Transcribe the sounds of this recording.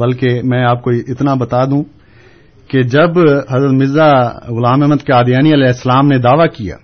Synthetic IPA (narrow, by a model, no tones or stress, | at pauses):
bɐlkemɛ̃ːaːp̚koɪt̪nabɐt̪aːd̪ũː | ked͡ʒɐbɦɐzɾət̪mɪzaɣʊlaːmɛɦməd̪keaːd̪jaːniəlɛːɪsːlaːmned̪aːʋakija̰ː